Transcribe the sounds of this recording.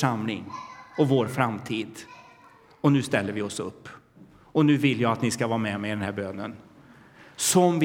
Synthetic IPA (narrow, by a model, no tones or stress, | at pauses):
ʂamlɪ̰ŋɔvoːɾfɾamt̪ʰiːd̪ | ɔnʉ̟ːst̪ɛlːəɾvɪɔsɵpː | ɔnʉ̟ːvɪlːjɑːat̪nɪskavɑːɾmɛmɛɪd̪ɛnhæːbøːnən | sɔmv